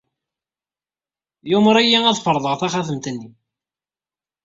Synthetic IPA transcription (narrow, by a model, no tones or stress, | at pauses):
jʊməɾˤæjːiæðˤfəɾˤðˤəʁθæχaθəmt̪ənːi